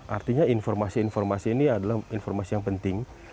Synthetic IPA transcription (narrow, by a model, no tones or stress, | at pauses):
ʔart̪iɲainfɔrmasiːnformasiːniadalahinfɔrmasijaŋpənt̪ɪŋ